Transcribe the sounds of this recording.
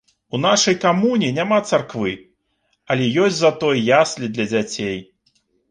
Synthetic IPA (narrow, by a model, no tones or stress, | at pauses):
unaʂɐjkamunʲinʲamat̪sarkvɨ | ɐlʲɛjɔsʲtʲzat̪ɔjjasʲlʲid̪lʲɐd͡zʲat͡sʲej